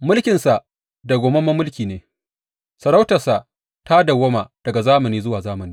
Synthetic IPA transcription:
mʊ˦lkʲɪ˨nsa˨ʔ | da˨ɡʷoː˨mɐ˦mɐ˦mʊ˦lkʲiː˨neː˨ | sɐ˨ɾa˦wtɐ˨rsa˨ʔ | ta˦da˨wɐ˦ma˨d̥ɐ˨ɡa˨zaː˦mɐ˨niː˦zʊ˦waː˨zaː˦mɐ˨niː˦

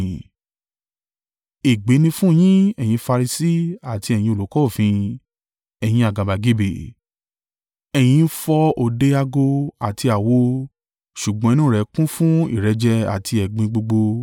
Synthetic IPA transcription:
e˨ɡ͡be˨˦nĩ˧fũ˦˨j̃ĩ˦ɛ˨j̃ĩ˧fa˧ɾi˧si˦a˨ti˧ɛ˨j̃ĩ˧o˨lo˨˦kɔ˦o˦˨fĩ˧ | ɛ˨j̃ĩ˧a˨ɡa˨ba˨ɡi˨˦be˨ | ɛ˨j̃ĩ˧˦fɔ˧o˨de˧˦a˧ɡo˧a˨ti˧a˨wo˧˦ | ʃu˨ɡ͡bɔ̃˧˦i˦nũ˦˨ɾɛ˨˦kũ˦fũ˦ḭ˦˨ɾɛ˨˧d͡ʒɛ˧a̰˨ti˧ɛ˨ɡ͡bĩ˧ɡ͡bo˧ɡ͡bo˧

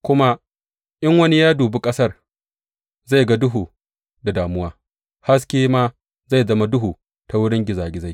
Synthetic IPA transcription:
kʷʊ˦ma˦ | ʔɪ˦ŋwɐ˦ni˦jaː˦duː˨bu˦kʼɐ˦sɐ˦r | za˦˨jɡa˦dʊ˦ɦuː˨ | da˨daː˨mʊ˦waː˦ | ha˦s̬kʲeː˦maː˦ | za˦˨jzɐ˦ma˦dʊ˦ɦuː˨ | ta˨wʊ˦ɽɪ˦ŋɡʲɪ˨zaː˨ɡʲɪ˨za˦j

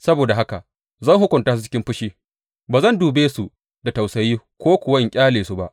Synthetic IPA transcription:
sɐ˦boː˨da˨ɦa˦ka˨ | zɐ˦˨ŋhʊ˦kʷʊ˨nta˦su˨t͡ʃɪ˦kʲɪ˦mɸʊ˦ʃiː˦ | baː˨zɐ˦nduː˨beː˦su˨ | da˨ta˨wsɐ˨jiː˦kʷoː˦kʷʊ˨wɐ˦ɪ˨ŋkʲʼaː˦leː˨su˦ba˦ʔ

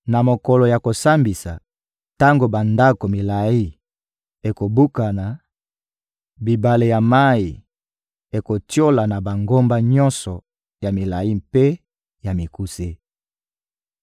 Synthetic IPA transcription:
na˨mo˨ko˨lɔ˨ja˨ko˨sa˦mbi˨sa˨ | ta˦ŋɡo˨ba˨nda˦ko˨mi˨la˨i˦ | e˨ko˨bu˦ka˨na˨ | bi˨ba˨le˨ja˨ma˦i˨ | e˨ko˨tjo˦la˨na˨ba˨ŋɡo˦mba˦ɲɔ̃˦nsɔ˨ | ja˨mi˨la˨ji˦mpe˦ | ja˨mi˨ku˦se˦

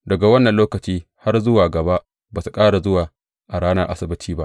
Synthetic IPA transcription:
dɐ˨ɡa˨wɐ˦nːɐ˨nloː˦kɐ˨t͡ʃiː˦ha˦rzʊ˦waː˨ɡɐ˨ba˦ʔ | baː˨su˨kʼaː˦ɽa˨zʊ˦waː˨ | ʔa˨ɽaː˦nɐ˦rʔa˦sɪ˨bɪ˦tʰiː˦ba̰˦ʔ

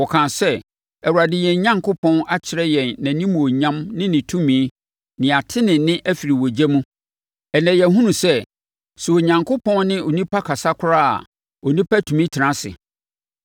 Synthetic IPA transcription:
ɔ˨kʰã˨sɛ˦ | ɛ˨wu˨ɾa˨dɪ˨˦jɛ̃˨ɲã˦ŋkʰʊ˦pʰɔ̃˦na˦t͡ɕʰɪ˨ɾɛ˦jɛ̃˨nːã˨nĩ˦mũ˨o˨ɲã˦mnɪ̃˦nɪ̃˨tʰũ˦mĩ˨˦ | nɪ̃˨a˨tʰɪ˦nɪ̃˨nɪ̃˦ʔæ˦fi˨ɾi˨wo˨d͡ʑæ˦mũ˦ | ɛ˨nɛ̃˨jɛ˨ɦũ˦nũ˨sɛ˦ | su˨o˨ɲã˨ŋkʰʊ˦pʰɔ̃˦nnɪ̃˦o˨nĩ˦pʰa˦kʰa˨sa˦kʷʰʊ˦ɾa˦a̰˨ | ɔ˨nĩ˦pʰa˦tʰũ˨mĩ˦tʰɪ˨nã˦sɪ̰˨

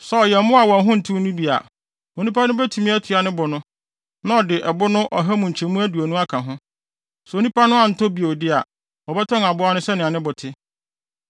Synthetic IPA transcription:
sɛ˨ɔ˨jɛ˨˦mʊ̃˦a˨wɔ̃˨˦ɦʊ̃˦n̩˨tʰu˦nũ˦bi˨a̰˨ | o˨nĩ˦pʰa˦nʊ̃˦bɛ˦tʰu˨mĩ˦æ˦tʰu˨a˨nɪ̃˦bɔ˨nʊ̃˦ | nã˦ɔ˨dɪ˨ʔɛ˨bʊ˦nʊ̃˦ʔɔ˨ɦæ˦mũ˨ɲ̩ʰ˨ɛ̃˨mũ˦æ˦du˨a˨nũ˦a˦kʰã˨ɦʊ̃˦ | sɛ˨o˨nĩ˦pʰa˦nʊ̃˦a˨n̩˨to˦bi˨dɪ˦a̰˨ | ɔ˨bɛ˦tʰɔ̃˦ŋa˨bʊ˦a˦nʊ̃˦sɛ˦nɪ̃˨a˨nɪ̃˦bʊ˨tʰɪ˦

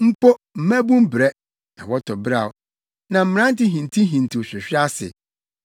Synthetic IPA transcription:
m̩˦pɔ˦m̩˨mæ̃˦bũ˦m˦bɾɛ˦ | na̰˨wɔ˦tʰɔ˨bɾa˨w | nã˨m̩˨m˦ɾã˦n̩˦tɪ˦ɦĩ˨ntʰĩ˦ɦĩ˨n˨tʰi˨ɕᶣɪ˨ɕᶣɪ˦a˦sɪ̰˨

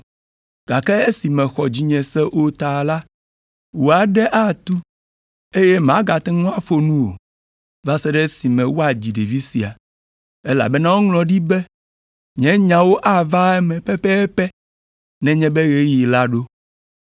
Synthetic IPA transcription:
ɡ̥a˨kɛ˦e˦si˨mɛ̃˨xɔ˨d͡ʑi˨ɲɛ̃˨sɛ˦ʔo˦t̪a˨la˦ | wo˨a˨ɖɛ˦ʔa˦t̪u˦ | e˦jɛ˦mã˦ɡa˨t̪ɛ˦ŋɔ̃˦a˦ɸo˦nũ˦wo̰˨ | va˦sɛ˦ɖɛ˦si˨mɛ̃˨wo˦a˨d͡ʑi˨ɖe˨vi˦si˨a̰˨ | ɛ˦la̰˨bɛ˦nã˦wo˦ŋlɔ̃˨ɖi˦bɛ˦ | ɲɛ̃˦ɲã˨wo˦ʔa˦va˦ɛ˦mɛ̃˨pɛ˦pɛ˦pɛ˦ | nɛ̃˨ɲɛ̃˦bɛ˦ɣe˦ji˨la˦ɖo˦

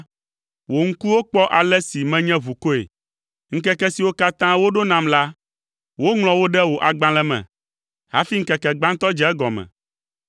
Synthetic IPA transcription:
wo˨ŋ̩˦ku˦wo˦k͡pɔ˦ʔa˨lɛ˦si˨mɛ̃˦ɲɛ̃˦vu˨ko˦ḛ˨ | ŋ̩˦kɛ˦kɛ˦si˨wo˦ka˦t̪ã˦wo˦ɖo˦nã˨mla˦ | wo˦ŋlɔ̃˨wo˦ɖɛ˦wo˨ʔa˨ɡ͡bã˦lɛ˦mɛ̰̃˨ | ha̰˦fi˦ŋ̩˦kɛ˨kɛ˨ɡ͡bã˦ŋ̩˦t̪ɔ˦d͡ʒɛ˨˦ɛ˦ɡɔ˨mɛ̰̃˨

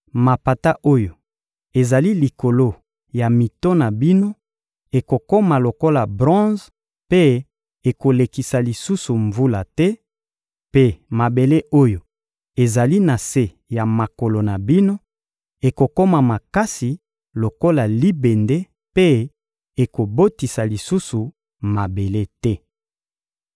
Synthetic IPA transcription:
ma˨pa˨ta˦ʔo˦jo˨ | e˨za˨li˦li˨ko˨lo˦ | ja˨mi˨to˦na˨bi˦no˦ | e˨ko˨ko˦ma˨lo˨ko˦la˨bʁɔ̃˦z | pe˦ | e˨ko˨le˨ki˨sa˨li˨su˦su˨ɱvu˦la˨tɛ˦ | pe˦ma˨be˨le˦ʔo˦jo˨ | e˨za˨li˦na˨se˦ | ja˨ma˨ko˨lo˨na˨bi˦no˦ | e˨ko˨ko˦ma˨ma˨ka˦si˨ | lo˨ko˦la˨li˦be˨nde˦ | pe˦ | e˨ko˨bo˦ti˨sa˨li˨su˦su˨ | ma˨be˨le˦tɛ˦

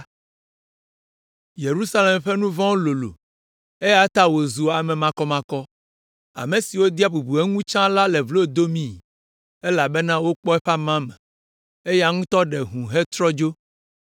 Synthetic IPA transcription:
je˨ɾu˦sa˦le˨mɸɛ˦nũ˦vɔ̃˦wlo˨lo̰˨ | e˦ja˦t̪a˦wo˨zu˨a˨mɛ̃˨mã˦kɔ˦mã˦kɔ˦ | a̰˨me˨si˨wo˦d̪i˦a˦bu˨bu˨e˦ŋũ˦t͡ʃã˦la˦lɛ˨vlo˦d̪o˦mĩ˦˨ | e˦la˨bɛ˦nã˦wo˦k͡pɔ˦ɛ˦ɸa˦mã˦mɛ̰̃˨ | e˦ja˦ŋũ˦t̪ɔ˦ɖe˨ɦũ˨ɦe˦t̪ɾɔ˦d͡ʒo˦

